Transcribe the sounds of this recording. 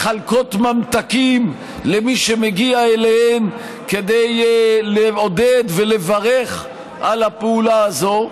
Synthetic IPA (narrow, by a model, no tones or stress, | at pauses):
χalko̞t̪mamt̪akim | lemiʃemeɡiaelehem | ke̞d̪ejleod̪ed̪velevaʁeχ | ʔalhapeulaazo̞